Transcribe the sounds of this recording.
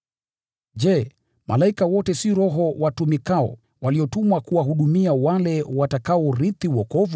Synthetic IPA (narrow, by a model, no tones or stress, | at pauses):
ʄɛ | mʔa̰laikawɔtɛsiɾɔɦɔwatumikaɔ̰ | waliɔtumwakuwaɦuɗumiawalɛwatakaɔɾiθiwɔkɔvu